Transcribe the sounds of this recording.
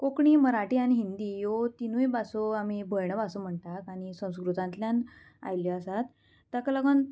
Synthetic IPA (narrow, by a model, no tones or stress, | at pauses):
kokɳiːməɾaʈiːañiɦind̪iːjot̪inujbasoam̤ibʱəɭɳəbasom̤əɳt̪akaɽ̃isə̃w̃skɾut̪ãnt̪ljan | a̰jljɔasat̪ː | akələɡən